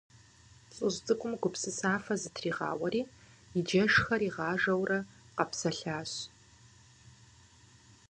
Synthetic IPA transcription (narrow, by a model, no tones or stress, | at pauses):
t͡sʼɨʑt͡sʼɨkʷʼʊmɡʷʊpsɨsaːfɐzɨtʰriːʁɑ̰ːwɐɾiː | id͡ʒɐʂxɐɾiːʁɑːʒɐwrɐ | qɐpsɐɬaːɕ